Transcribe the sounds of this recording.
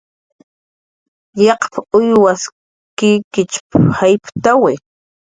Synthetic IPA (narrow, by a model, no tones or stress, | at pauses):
jɑqpaʊjwas | kɪkɪt͡ʃphajpt̪awɪ